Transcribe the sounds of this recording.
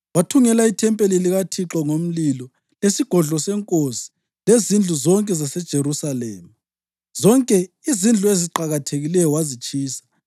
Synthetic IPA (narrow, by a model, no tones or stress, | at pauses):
watʰuŋɛlaitʰɛmpʼeliliɣatʰiǁɔŋom̩lilɔ | lesiɡ̥ʱɔɮɔsɛŋkʼosi̥ | lezind͡ɮʱuzɔŋkʼɛzasɛd̥ʒ̥ʱeɾusalḛːma | z̥ɔŋkʼɛ | izind͡ɮʱueziǃaɣatʰeɣilɛjɔwazit͡ʃʼiːsḁ